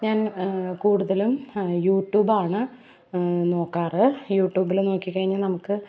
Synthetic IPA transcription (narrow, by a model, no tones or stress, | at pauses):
ɲaːnkuːɽuðɐlumjuːʈjuːbaːɳɨ | no̞ːkːaːrɨjuːʈːjuːbilno̞ːkːikːɐɻiɲːɐnɐmukːɨ